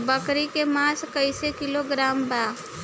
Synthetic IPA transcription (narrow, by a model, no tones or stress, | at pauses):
bəkɾikemaːskəɪsekɪloɡɾaːmbaː